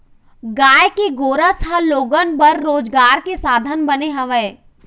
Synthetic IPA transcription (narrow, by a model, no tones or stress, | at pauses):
ɡaːjkeɡoːɾəsɦɐ̃loːɡənbəɾːoːd͡ʒɡaːɾkesaːd̪ʱənbɐneɦɐʋeː